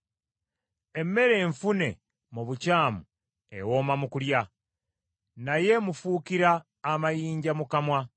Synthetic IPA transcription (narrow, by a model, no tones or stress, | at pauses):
e̞mːe̞ɾe̞ːɱfune̞̰ | muβucaːmu | ḛwo̞ːmamukulja | naje̞mufukiɾaː | majiːɲɟamukamwa